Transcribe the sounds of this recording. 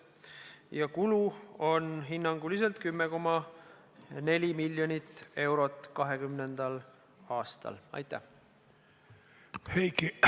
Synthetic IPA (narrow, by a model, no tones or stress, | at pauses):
jɑkuluo̞nɦinːɑŋɡ̥ulis̬elt̪̚kymːeko̞mɑ | ne̞lʲimilʲjo̞nʲit̪ːe̞wɾo̞t̪ːˑkɑɦe̞kymnend̪̥ɑl | ɑːst̪ɑ̰lɑ̰jt̪ːˑæh | hejki